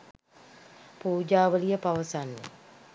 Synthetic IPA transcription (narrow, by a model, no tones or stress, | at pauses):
puːd͡ʒaːʋəlijəpaʋəsanːḛ